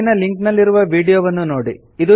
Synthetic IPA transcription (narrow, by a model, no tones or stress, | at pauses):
nɐliŋknɐlːiɾuʋɐʋiːɽijoːʋɐnːunoːɽi | id̪u